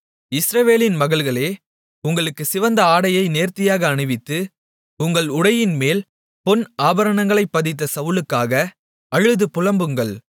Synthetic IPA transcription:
ɪsɾɐʋeːlɪnmɐɣɐɭɣɐɭeː | ʊŋɡɐɭɯkːɯsɪʋɐnd̪ɐaːɽɐjɐɪneːɾt̪ɪjaːɣɐːɳɯʋɪt̪ːɯ | ʊŋɡɐɭʊɽɐjɪnmeːl | pɔnaːbɐɾɐɳɐŋɡɐɭɐɪpːɐðɪt̪̬ːɐsɐʋɯɭɯkːaːɣɐ | ɐɻɯðɯpʊlɐmbɯŋɡɐɭ

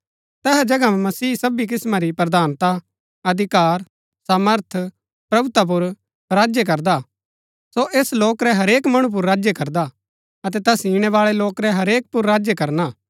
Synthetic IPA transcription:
t̪ɛːɦɛd͡ʒɐɡammɐsiːsɐbik̬ɪsmaɾipɾɐd̪ʱaːnt̪a | ɐd̪ʱɪkaːɾ | saːməɾt̪ʰ | pɾɐbʊt̪ap̬ʊɾ | ɾaːd͡ʒjek̬ɐɾd̪a | soʔeːsloːkɾɛɦɐɾeːkmɐɽ̃ũp̬ʊɾːaːd͡ʒjekɐɾd̪a | ɐt̪̬ɛt̪ɛsiːɽ̃ɛʋaːɭɛloːkɾɛɦɐɾeːk̚pʊɾːaːd͡ʒjekɐɾnaː

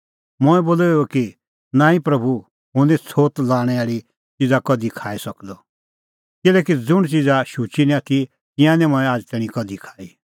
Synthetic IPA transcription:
mʊɛboːleoki | nãːĩpɾɐbʱu | ɦʊ̃nɛt͡sʰoːt̪laːɽ̃ɛaːɽi | t͡ʃid͡zakɐd̪ikʰaːisɐkd̪ɔ | kɪlɛːkid͡zʊɽ̃t͡ʃid͡zaʃut͡ʃinĩat̪ʰi | t̪ɪ̃jãnɛ̃mɔ̃ɛ̃aːd͡ʒt̪ɛːɽ̃ĩkɐd̪ʱikʰḁːi

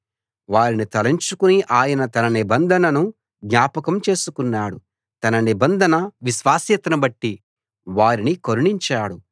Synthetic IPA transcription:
ʋaːɾinit̪ɐlɐɲt͡ʃukuniʔaːjɐnɐt̪ɐnɐnibɐnd̪ʱɐnɐnu | ɡɲaːpɐkɐmt͡ʃe̞ːsukunːaːɽu | t̪ɐnɐnibɐnd̪ʱɐnɐʋiʃʋaːsjɐt̪ɐnɐbɐʈːi | ʋaːɾinikoɾuɳiɲt͡ʃaːɽu

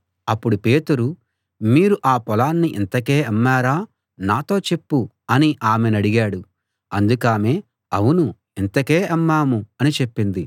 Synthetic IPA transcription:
ɐpːuɽupe̞ːt̪uɾu | miːɾuʔaːpɔlaːnːiʔḭnt̪ɐke̞ːɐmːaːɾaː | naːt̪o̞ːt͡ʃe̞pːu | ɐniʔaːmenɐɽiɡaːɽu | ɐnd̪ukaːme̞ː | ɐwunu | int̪ɐke̞ːɐmːaːmuɐnit͡ʃe̞pːind̪i

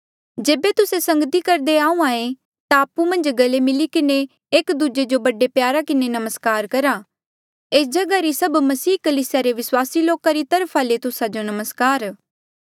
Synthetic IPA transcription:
d͡ʒeːbet̪ʊsesɐ̃ŋɡt̪ikɐɾd̪eaːũaːẽ | t̪aːpũmɐ̃nd͡ʒɡɐlemɪlikɪne | eːkd̪ud͡ʒed͡ʒobɐɖepjaːɾakɪnenɐməskaːɾkɐɾa | eːsd͡ʒɐɡaɾisɐbmɐsiːkəliːsɪjaɾeʋɪswaːsiloːkaɾit̪ɐɾpʰalet̪ʊsad͡ʒonɐməskaːɾ

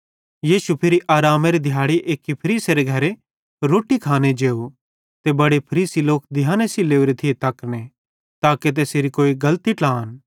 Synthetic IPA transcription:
jiːʃupʰɪɾiʔaːɾaːmeɾid̪ʱɪjaːɽiʔeːkipʰɐɾiːseɾeɡʱɐɾe | ɾoːʈikʰaːned͡ʒeːo | t̪ebɐɽepʰɐɾiːsiloːkd̪ʱɪjãːnesileːuɾet̪ʰɪet̪ɐkne | t̪aːket̪̬eseːɾikoːiɡɐlt̪iʈlaːn

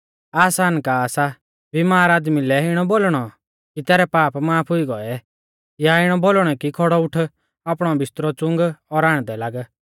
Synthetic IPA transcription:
aːsaːnkaːsa | bimaːɾaːd̪milɛɪɽ̃ɔbolɽ̃ɔ | kit̪ɛːɾɛpaːpmaːpʰʊiɡɔɛ | jaɪɽ̃ɔbolɽ̃ɛkikʰɔɽɔʊʈʰ | aːp̬ɽ̃ɔbɪst̪ɾɔt͡sʊ̃ŋɡɔɾaːɽ̃d̪ɛlaːɡ

